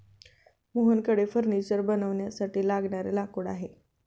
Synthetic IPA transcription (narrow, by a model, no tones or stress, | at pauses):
moɦənkəɽefəɾnisəɾbənəʋɳjasaʈiːlaɡɳaɾelakoɽaɦe